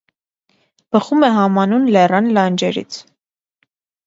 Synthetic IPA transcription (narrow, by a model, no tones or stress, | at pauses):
b̥əχumɛɦɑmɑnunlɛrɑnlɑnd͡ʒɛɾḭt͡sʰ